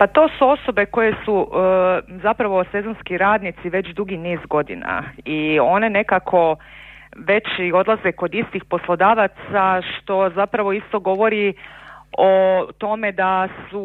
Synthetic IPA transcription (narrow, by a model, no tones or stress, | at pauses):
pat̪o̞ːsuo̞so̞be̞ko̞je̞su | zapɾaʋo̞se̞zo̞nskiɾaːd̪nit̪siʋe̞t͡ɕd̪uɡiniːzɡo̞d̪ḭna̰io̞ne̞ne̞kakʰo̞ | ʋe̞t͡ɕio̞d̪lˠazeko̞d̪ist̪ixpo̞slˠo̞d̪aːʋat̪saʃt̪o̞zapɾaʋo̞ist̪o̞ɡo̞ʋo̞ɾi | ot̪o̞me̞d̪asu